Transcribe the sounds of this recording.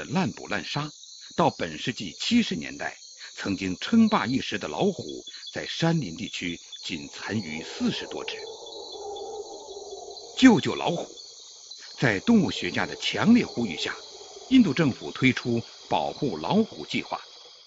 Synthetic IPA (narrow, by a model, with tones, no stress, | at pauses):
ə˨la˥˩npṵ˨˩la̰˥˩nʂa˥ | t̪ɑ˥˩ʊpə˨˩nʂɻ̩˥˧t͡ɕi˥˩t͡ɕʰi˥ʂɻ̩˧˥njɛ̰˧˥nt̪a̰˥˩ɪ | t͡sʰɤ˧˥ŋt͡ɕi˥ŋʈ͡ʂʰɤ˥ŋpa˥˧i˥˩ʂɻ̩˧˥d̪ə˨lɑ˧˥ʊxṵ˨˩˦t͡sa˥˩ɪʂa˥nli˧˥nt̪i˥˩t͡ɕʰy˥t͡ɕi˨˩nt͡sʰa˧˥ny˧˥sɹ̩˥˩ʂɻ̩˧˥t̪wɔ̰˥ʈ͡ʂɻ̩˥˩˥ | t͡ɕjo˥˧ʊt͡ɕjo˥˩ʊlɑ̰˧˥ʊxu̥˨˩˦ | t͡sa˥˧ɪt̪ʊ˥˧ŋu˥˩ɕɥɛ˧˥t͡ɕja˥d̪ə˨t͡ɕʰjɑ˧˥ŋljɛ˥˩xu˥y̰˨˩ɕja̰˥˩ | i˥˧nt̪u˥˧ʈ͡ʂɤ˥˩ŋfṵ˨˩t̪ʰwe˥ɪʈ͡ʂʰu˥ | pɑ˨˩ʊxu˥˩lɑ˧˥ʊxṵ˨˩t͡ɕi˥˧xwa̰˥˩